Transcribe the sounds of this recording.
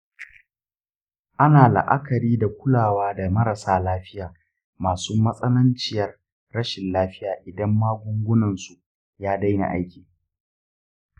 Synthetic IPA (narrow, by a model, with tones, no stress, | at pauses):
ʔa˦naː˨la̰˨ʔa̰˦kɐ˨ɾiː˦da˨kʷʊ˦laː˨waː˦da˨mɐ˦ɾɐ˨saː˨˦laː˦ɸɪ˦jaː˨ | maː˨suː˦mɐ˦sʼɐ˦lɐ˦nt͡ʃɪ˨jɐ˨rː | ɐ˦ʃɪ˨nlaː˦ɸɪ˦jaː˨ʔɪ˨dɐ˦mːaː˦ɡʷʊ˦ŋɡʷʊ˦nɐ˨nsu˨ | jaː˦da˦jna̰˨ʔa̰˦jkʲiː˨